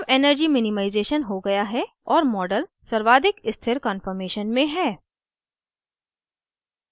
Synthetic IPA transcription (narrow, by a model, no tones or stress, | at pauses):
bɛːnəɾd͡ʒimɪnɪmaːɪzeːʃənɦoɡɐjaɦɛ | ɔːɾmɔːɖəlsɐɾʋaːd̪ɪkɪst̪ʰɪɾkənfəɾmeːʃənmẽɦɛː